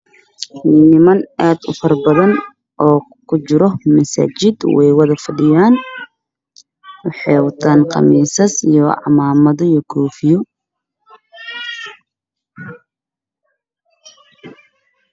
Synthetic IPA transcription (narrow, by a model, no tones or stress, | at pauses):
nɪmɐnʔaːd̪ʊ̰fɐrbɐðɐn | ʔɔː | kʰʊt͡ʃɪɾɔmɐsa̰ːt͡ʃɪd̪wɛ̰jwɐðɐfɐɖɪjaːn | wɑħɑːwɐt̪ʰaːnqɑ̰miːsɐsijɔʕɑ̰maːmɐðɐjɔkʰɔːfɪjɔ